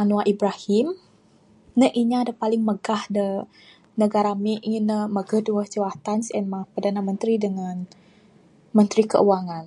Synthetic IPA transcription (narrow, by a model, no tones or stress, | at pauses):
anuaʔibɾahim | nəʔiɲaːdapalɪŋməɡahdə | nəɡaɾamiʔinəməɡəhduəhd͡ʒəwat̪ansɛnmapərdanamənt̪ɾidəŋan | mənt̪ɾikə̰ʔuwaŋan